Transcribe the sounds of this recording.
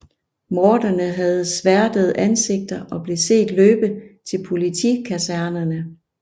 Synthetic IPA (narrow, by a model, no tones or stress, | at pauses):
mɒːd̥ɐnəɦæð̞̩ˠsʋæɐd̥əð̞̩ˠʔænse̝ɡ̥̚d̥ɐʔɒ̽b̥le̝se̝̰ːd̥løːb̥ət͡sʰe̝lpʰo̝lit͡sʰikʰæsæɐnɐnə